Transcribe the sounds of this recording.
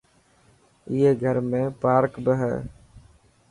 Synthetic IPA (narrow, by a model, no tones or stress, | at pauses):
ɪːeːɡʱəɾmẽːpaːɾkbəɦɛ̰ː